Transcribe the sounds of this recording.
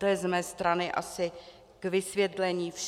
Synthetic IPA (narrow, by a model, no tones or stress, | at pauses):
t̪ojɛzmɛːst̪ɾanɪʔa̰sɪ | ɡ̥vɪsvjɛt̪lɛɲiːf